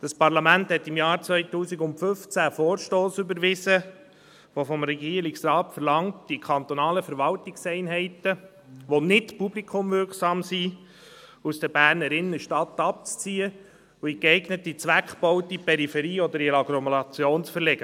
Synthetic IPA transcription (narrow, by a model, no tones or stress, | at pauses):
d̥ɑspɑɾlɑmænthɛtːɪmjɑːɾt͡sʋœɪtuːsiɡʊntfʏft͡sæfoːɾʃtoːsʏbəɾʋɪsə | ʋofɔmɾɛɡiːəɾlɪksrɑːtfəɾlɑŋtd̥ikʰɑnt̪ɔnɑːləfəɾʋɑltɪksɛɪnɦɛɪtə | ʋonɪtpublikʰʊmvʏrksɑːmsi | usd̥əɾbæːrnəɾɪnːəʃtɑtːɑp̚t͡st͡siːə | uikɛɪɡnətːit͡sʋækχb̥ɔwtipʰɛɾifɛɾiːɔd̪əɾiɾɑkɾɔmɔlɑt͡sjoːnsfəɾlɛɡ̥ə